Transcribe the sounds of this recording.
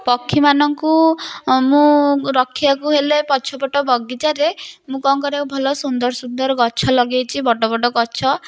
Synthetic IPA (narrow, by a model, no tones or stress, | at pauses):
pɔkʰːimanɔŋku | mũɾɔkʰːibakuɦelepɔt͡ʃʰɔbɔʈɔbɔɡit̪aɾemũkɔŋkɔɾekbʱɔlɔsund̪ɔɾɔsund̪ɔɾɔɡɔt͡ʃʰɔlɔɡejt͡ʃʰibɔʈɔbɔɖɔɡɔt͡ʃʰɔ